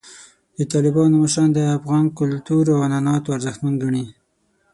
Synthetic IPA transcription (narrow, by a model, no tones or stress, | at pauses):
d̪ət̪ɑlɪbɑnomaʃɑnd̪əafɣɑnkʊlt̪uɾawananɑt̪oaɾzəxt̪manɡaɳi